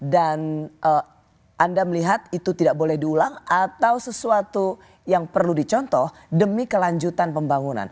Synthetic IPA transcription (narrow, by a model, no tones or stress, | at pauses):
danʔə | ʔandaməliɦat̪̚it̪ut̪idak̚bolɛhdiulaŋat̪awsəsuat̪u | jaŋpərludit͡ʃɔnt̪ɔh | dəmikəlaɲd͡ʒut̪anpəmbaŋuna̰n